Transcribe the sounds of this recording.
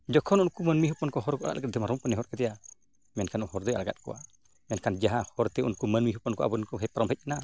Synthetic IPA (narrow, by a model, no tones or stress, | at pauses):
d͡ʒɔkʰɔnunkumənmiɦɔpɔnkɔɦɔɾkɔa̰la̰lɡat̪̚d̪ɛmaɾɔmkɔnɛɦɔɾkɛt̪ɛja | mɛnkanɔhɔɾd̪ɛa̰laɡa̰t̪̚kɔ̰a̰ | mɛnkand͡ʒaɦahɔɾt̪ɛunkumanmiɦɔpɔnkɔa̰bɔnkɔɦɛpaɾɔmbɛc̚na